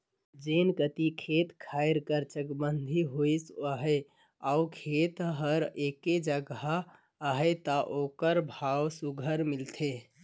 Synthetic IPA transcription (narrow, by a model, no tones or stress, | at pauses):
d͡ʒenkət̪ikʰet̪kʰajɾkəɾt͡ʃəkbənd̪ʱiɦojsəɦə | aukʰet̪ɦəɾeked͡ʒəɡaː | ɦət̪əʔokəɾbʱawsuɡʱəɾmilt̪ʰe